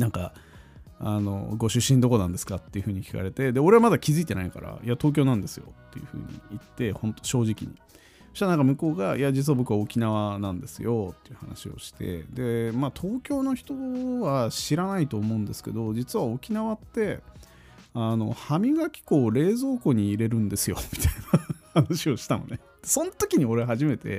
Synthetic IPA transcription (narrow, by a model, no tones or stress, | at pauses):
nãŋka̰ | ano̞̰ɡo̞ɕɨɕːĩnd̪o̞konãnd̪e̞sɨ̥kat̪ːe̞iɯ̟ɸɯ̟ːɲ̟ikʲi̥ka̰ɾe̞t̪e̞d̪e̞o̞ɾe̞βamad̪akʲizɨit̪e̞naika̰ɾa̰iat̪o̞ːk̬ʲoːnãnd̪e̞sɨjo̞̰t̪ːe̞jɯ̟ɸɯ̟̰ːɲ̟ḭit̪ːe̞hõ̞nt̪oɕo̞ːʑikʲḭɲ̟i | i̥t̪anãŋkamɯ̟ko̞ːɡaiad͡ʑit͡s̬ɨβabo̞kɯ̟βao̞kʲinaβanãnd̪e̞sɨjo̞t̪ːe̞̥iɯ̟ha̰na̰ɕio̰ɕi̥t̪e̞̰d̪e̞mat̪ʰo̞ːkʲo̞ːno̞çi̥t̪o̞βaɕiɾanait̪o̞ːmo̞ɯ̟̃nd̪e̞sɨ̥ke̞̰d̪o̞d͡ʑit͡sɨβao̞kʲinaβat̪ːe̞ | ano̞̰hamʲiɡakʲi̥ko̞ːɾe̞ːzo̞ːko̞ɲ̟iːɾe̞ɾɯ̟̃nd̪e̞sɨjo̞̰mʲi̥t̪ainahanaɕio̞ɕi̥t̪ano̰ne̞ | d̪̥esõ̞nt̪okʲiɲ̟io̞ɾeɦaʑime̞t̪e̞̰